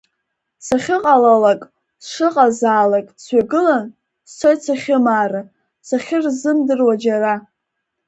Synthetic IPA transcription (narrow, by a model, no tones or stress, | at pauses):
saχʲɪqʼalalakʼ | sʂɨqʼazaːlakʼsɥaɡɨlan | st͡sʰojt͡sʰaχʲɪmaːra | saχʲɪrzɨmdɨrwad͡ʒara